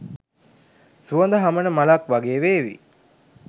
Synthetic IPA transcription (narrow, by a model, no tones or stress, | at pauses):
suɐnd̪əɦamənəmalakʋaɡeːʋeːʋḭ